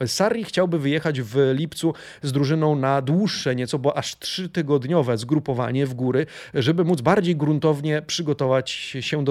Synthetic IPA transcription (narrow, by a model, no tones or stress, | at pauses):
saɾʲixt͡ɕawbɘvɘjɛxad͡ʑvlʲipt̪su | zd̪ɾuʐɘnɔ̃w̃nad̪wuʂːɛɲɛt̪sɔbɔʔaʂt̪ʂɘt̪ɘɡɔd̪ɲɔvɛzɡɾupɔva̰ɲɛvɡuɾɘ | ʐɛbɘmud̪zbaɾd͡ʑejɡɾunt̪ɔvɲɛpʂɘɡɔt̪ɔvat͡ɕɕɛd̪ɔ